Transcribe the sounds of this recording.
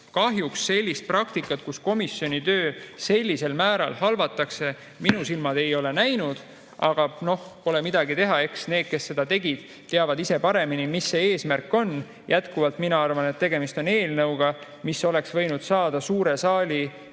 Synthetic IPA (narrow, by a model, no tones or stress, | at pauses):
kɑɦjuksːe̞lʲːist̪̚prɑkt̪ikːˑɑt̪̚kusko̞misjo̞nit̪ø̞ːse̞lʲːise̞lmæːɾɑ̰lhɑlvɑt̪ːˑɑkse̞ | minusilmɑd̪̥e̞jo̞le̞næjnud̪̥ | ɑɡ̥ɑno̞hpo̞le̞mid̪̥ɑɡit̪e̞ɦɑe̞ksne̞ːd̪̥̚ke̞sːe̞d̪̥ɑt̪e̞ɡid̪̥ | t̪ːeɑvɑd̪ise̞pɑɾe̞minimisːe̞eːsmærkːˑo̞n | jʔæt̪kuvɑlt̪minɑɑrvɑnet̪t̪ːe̞ɡ̥e̞mist̪o̞ne̞ːlnɤwɡ̥ɑ | miso̞le̞ksvɤ̞jnud̪̥sɑːd̪̥ɑsuːɾe̞sɑːlʲi